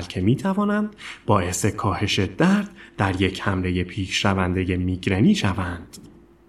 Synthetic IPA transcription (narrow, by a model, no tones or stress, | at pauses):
lcʰemiːt̪ʰævɒːnænd̪̥bɒːʔe̞se̞kʰɒːhe̞ʃe̞d̪̥æɾd̪̥̚ːæɾje̞cʰhæmɾe̞je̞pʰiːʃʃævænd̪e̞je̞miːɡɾeniːʃævænd̪̥